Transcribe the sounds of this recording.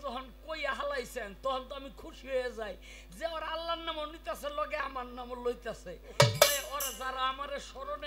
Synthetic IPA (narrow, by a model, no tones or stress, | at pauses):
tɔɦonkojaɦalajsent̪ɔkʰɔnt̪oamikʰuʃiɦojed͡zaj | zeɔɾalːanːamonit̪easeɾlɔɡeamaɾnamoɾlojt̪aset̪ɔjeɔɾad͡zaɾaamaɾeʃɔɾone